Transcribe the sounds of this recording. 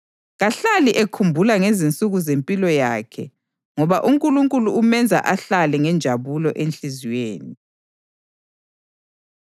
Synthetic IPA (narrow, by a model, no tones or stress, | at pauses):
ɣaɬaliʔekʰumbʱulaŋezint͡sʼuɣuzempʼilɔjaːkʰɛ̰ | ŋɔβaʔuŋkʼuluŋkʼuluːmɛnd͡zʱa̰ʔaɬalɛŋɛnd͡ʒʱaβulɔʔenɬizweːni